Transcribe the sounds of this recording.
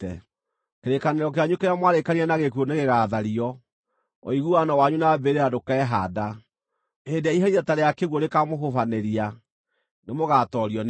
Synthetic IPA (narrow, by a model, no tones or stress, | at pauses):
ɛ | keɾekaneɾɔk̬eaɲukeɾamwaɾekaniɛnaɣekuoneɣeɣaːðaɾiɔ | ɔ̰iɣuanawaɲunabeɾeadokɛːɦada | edeaiɦaiɾataɾejakeɣwoɾekamoɦofaneɾia | nemoɣatɔɾiɔn